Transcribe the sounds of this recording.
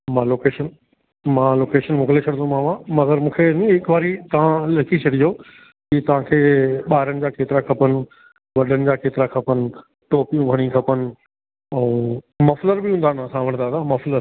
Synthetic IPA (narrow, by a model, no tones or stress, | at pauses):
mãːloːkeːʃən | mãːloːkeːʃənmʊklet͡ɕʰɐɽ̃d̪õmãːʋãmɐɡəɾmũːkʰenĩɦɪkʋaːɾit̪ɐʋ̤ãlɐkʰit͡ɕʰɐɽiɦo | kit̪ɐʋ̤ãkʰeːɓaːɪɾənɪ̆d͡ʑaːkʰeːt̪ɪɾakʰɐpənɪ̆ | ʋɐɗənɪ̆d͡ʑaːkʰeːt̪ɪɾakʰɐpənɪ̆ | ʈoːpijũbʱɐɽ̃ĩkʰɐpənɪ̆ | ɛ̃ | mɐfləɾbɪɦũːnd̪aːnəsãʋɐ̃ɽ̃d̪aːt̪aːmɐfləɾ